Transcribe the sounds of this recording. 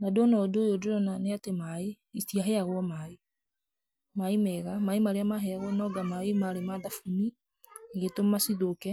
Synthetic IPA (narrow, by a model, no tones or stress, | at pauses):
nadɔnaodoːjodoɾɔnaneatemae | itiaɦɛaɣwɔmae | maemɛɣamaemaɾeamaɦɛaɣwɔnɔːɡamaemaɾemaðafumi | ŋɡetomasiðokɛ